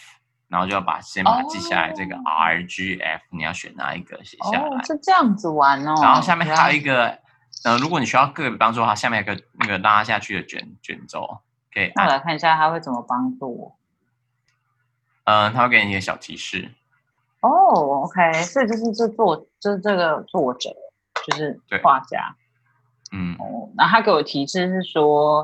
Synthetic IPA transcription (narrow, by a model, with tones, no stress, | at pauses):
na˨˧˥xo˥˧t͡ɕo˥˧jɑ˥˩pa̰˨˩ɕjɛ˥npa˧˨t͡ɕi˥˧ɕjja̰˥˧˨la̰˨˧ɪɤ˥˩ɡə̰˩ʔa̰˥ə˧d͡ʒi˥ʔɛ̰˥˩fni˨˩jɑ˥˩ʊɕɥɛ˨˩na̰˥˧ḭ˧˩ɡ̥ə̰˨˩ɕjɛ̰˨˩ɕja̰˥˩la˦˥˩ʈ͡ʂɤ˥˧jɑ˥˩ŋd͡zɹ̩˨˩wa˧˦nə˧na˧˦xo˧˥˧ɕja˥˧mjɛ˥˩a˥jo˨˩i˧˥ɡə˨ | ə˧˩ɻu˧˥kwɔ˦ni˨˩ɕy˥jɑ˥˧ʊkɤ˥˩˨ɛ˨˩pɑ˥ŋt͡su˥˧˨ə˦wa˥˩ɕa˥˧mɛ˥˩˨nə˩ɡə˩la˥˦˥ɕja˥˧t͡ɕʰy˥˩d̪ə˩t͡ɕɥɛ̰˨˩˦nt͡ɕɥɛ̰˨˩nt͡so˥˦ʊ | kʰe˥˩ḭ˨˩na˥˩la˨˩ɪkʰa˥˩ni˩ɕja˥˧˩t̪ʰa˧˥xwe˥˩ɪt͡sə˨˩mə˦pɑ˥ŋʈ͡ʂṵ˥˩˨ | ə˧t̪ʰa˥we˥˩ke˥˩˨ɡə˩ɕjɑ˨˩ʊt̪ʰḭ˧˥ʂɻ̩̰˥˩ | ɔ˥˩o˧˥ʊkʰe˥ɪswɔ˥i˨˩t͡ɕjo˥˧ʊʂɻ̩˥˧ʈ͡ʂɤ˥˧t͡swɔ˥˩t͡ɕjo˥˧ʊʂɻ̩˥˩ʈ͡ʂɤ˥˩ɡə˩t͡swwɔ˥˩ʈ͡ʂɤ̰˨˩˦ | t͡ɕjo˥˧ʊʂɻ̩˥˩t̪we˥˩xwa˥˩t͡ɕja̰˥ | n̩˥˩o˥˧˩na˥˩t̪ʰa˥ke˧˥ɪwɔ˨˩t̪ʰi˧˥ʂɻ̩˥˧ʂɻ̩˥˩ʂwɔ˥